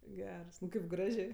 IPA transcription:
ˈɡʲɛrs kɐɪp ˈɡrɑːʒʲeː

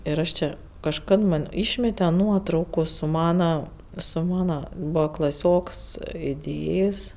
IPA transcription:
ɪr ˈɐʃ ˈt͡ʃʲɛ kɐʃˈkɐt ˈmɐn ˈiːʃʲmʲɛtʲɛ ˈnuɔtrɐʊkuː sʊ ˈmɑːnɐ sʊ ˈmɑːnɐ ˈbuːʋɐ klˠɐˈsʲoːks ɪˈdʲeːjeːsʲ

